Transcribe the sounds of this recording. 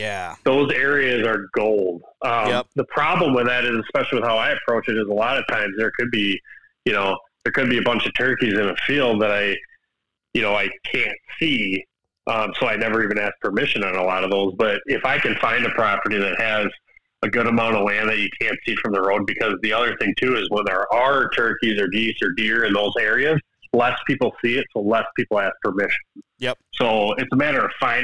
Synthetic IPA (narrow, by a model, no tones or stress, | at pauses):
jæðoʊzɛɹiɨzə˞ɡoʊlˠd̥̚ʌ̃ðəpʰɹ̥ɑblə̃mwəðɨɾɨzɨspɛʃl̩ˠiwəð̥haʊaɪɨpʰɹ̥oʊt͡ʃɨɾɨzəlɑɾʌv̥tʰãɪ̃mzðə˞kʰɨd̚bi | jɨnoʊðə˞kɨd̚biɨbʌ̃nt͡ʃʌv̥tʰɜ˞kizɨ̃nɨfilˠd̪̚ðəɾaɪ | jɨnoʊaɪkʰæ̃ntsi | ʔʌ̃msoʊaɪnɛvə˞ivɨ̃næs̚pʰə˞mɪʃɨ̃nɨ̃nəlɔɾʌvðoʊzbʌɾɪfaɪkɨ̃nfãɪ̃ndɨpʰɹ̥ɑpə˞ɾiðɨt̚hɨz | əɡʊɾəmãʊ̃ɾ̃ʌvlæ̃ndɨjɨkʰæ̃ntsifɹʌ̃mðəɹoʊd̚bɨkʰʌzðiʌðə˞θɪ̃ŋtʰʉɨzwə̃nðə˞ʔə˞tʰɜ˞kizə˞ɡisə˞dɪɹɨ̃nðoʊzɛɹiɨz | lɛspʰipl̩ˠsiɨtsoʊlɛspʰipl̩ˠæs̚pʰə˞mɪʃn̩soʊɨtsəmæɾə˞ʌv̥fãɪ̃